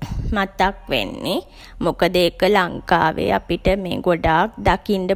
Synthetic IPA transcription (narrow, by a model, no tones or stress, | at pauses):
mat̪akʋḛnːi | mukəd̪əːkəlaŋka̰ːʋḛapiʈəmeːɡoɖaːk̚d̪akinɖə